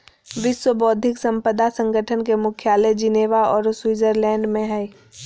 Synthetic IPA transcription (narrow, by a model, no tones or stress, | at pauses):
ʋɪswəbɔːd̪ʱɪksə̃mpəd̪asə̃ŋɡʱəʈʰənkemʊkʰjaːled͡ʒɪneːʋaɔːɾswiːzəɾlɛ̃ːɳɖmẽɦɛː